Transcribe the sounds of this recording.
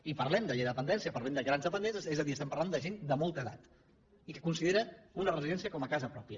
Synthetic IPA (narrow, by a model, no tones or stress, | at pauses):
ipəɾlɛmd̪əʎeðəpənd̪ɛnsiəpɐɾlɛmd̪əɣɾanzðəpənd̪ɛnsəsɛzəðiəst̪ɛmpəɾland̪əʒend̪əmɔlˠt̪əða̰t̪ | ikəkunsiðeɾəunərəziðɛnsiəkɔməkazəpɾɔpiə